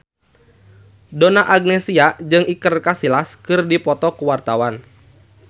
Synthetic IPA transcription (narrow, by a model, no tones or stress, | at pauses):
donaʔaɡ̚nesiad͡ʒɨŋikərkasilaskɨrdipɔt̪ɔkuwart̪awan